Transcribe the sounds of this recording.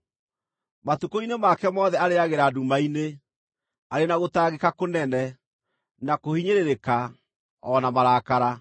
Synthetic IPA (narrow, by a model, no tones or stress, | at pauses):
matukoinemakɛmɔðɛaɾeaɣeɾadumaine | aɾenaɣotaɣekakonɛnɛ | nakohiɲeɾeɾeka | ɔnamaɾaːkaɾa